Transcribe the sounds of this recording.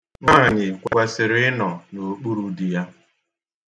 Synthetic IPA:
ŋa˦ɣa˨ɲɪ˨kʷɛ˦sɪ˨ɾɪ˦nɔ˨no˨k͡pu˦ɾu˦di˨ja˦

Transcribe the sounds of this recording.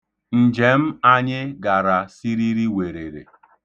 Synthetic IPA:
n̩˨d͡ʒe˨m̩˦a˦ɲɪ˦ɡa˨ɾa˨si˦ɾi˦ɾi˦we˨ɾe˨ɾḛ˨

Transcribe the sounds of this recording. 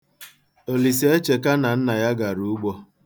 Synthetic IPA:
o˨li˨s̬e˦t͡ʃe˨ka˦na˨n̩˦na˨ja˦ɡa˨ɾu˦˨˦ɡ͡bɔ˦

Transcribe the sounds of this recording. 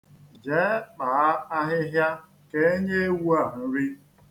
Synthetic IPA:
d͡ʒe˨˦k͡pa˨a˦a˦ɦɪ˦ɦja˦ | ke˦e˦ɲe˦wu˦a˨n˦n̩˦ɾi˦

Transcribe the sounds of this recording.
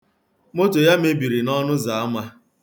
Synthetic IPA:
mo˦to˨ja˦m̩e˦bi˨ɾi˨nɔ˦nʊ˦za˨a˦ma˦

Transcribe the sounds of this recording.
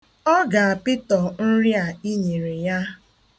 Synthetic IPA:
ɔ˦ɡa˨a˨pɪ˦tɔ˨n̩˦ɾja˨i˦ɲe˨ɾe˨ja˦

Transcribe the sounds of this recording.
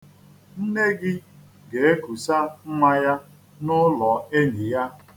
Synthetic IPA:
n̩˦ne˦ɡɪ˦ | ɡe˨e˦ku˨sa˦m̩˦ma˦ja˦ | nʊ˦lɔ˨e˦ɲi˨ja˦

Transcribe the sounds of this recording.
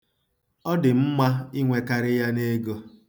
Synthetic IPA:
ɔ˦dɪ˨m̩˦ma˦i˦ŋʷe˨ka˨ɾɪ˦ja˦ne˦ɡo˦

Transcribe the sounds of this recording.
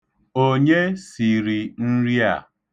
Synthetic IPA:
o˦ɲe˦si˨ɾi˨n̩˦ɾi˦a̰˨

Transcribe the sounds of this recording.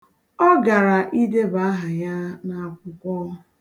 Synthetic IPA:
ɔ˦ɡa˨ɾa˨ʔi˦de˦ba˨a˦ɦa˨ja˦na˨kʷʊ˦kʷɔ˦

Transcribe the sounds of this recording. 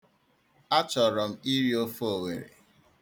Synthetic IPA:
a˦t͡ʃɔ˨ɾɔ˨m̩˨i˦ɾi˦o˦fo˨we˨ɾḛ˨

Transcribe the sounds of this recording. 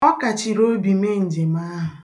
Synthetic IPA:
ɔ˦ka˨t͡ʃi˨ɾo˦bi˨me˦n̩˨d͡ʒe˨ma˦ɦʊ˨

